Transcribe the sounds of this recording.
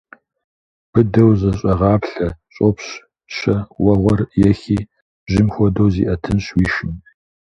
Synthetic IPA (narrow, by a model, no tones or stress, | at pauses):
b̥ɨdɐwzɐɕʼɐʁɑːpɬɐɕʼopɕ | ɕʰɐwɐʁʷɔrjɛxiː | bʒɪmxʷɔdɐwzḭːʔɐtʰɨnɕwiːʃɪm